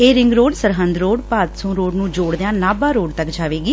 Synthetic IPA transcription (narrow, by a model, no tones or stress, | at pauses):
eːɾɪ̃ŋɡɾoːɖsəɾɦənd̪ɾoːɽpaːt̪sõːɾoːɖnũːd͡ʒoːɽd̪eãːnaːbãːɾoːɖt̪əkd͡ʒaːʋeːɡiː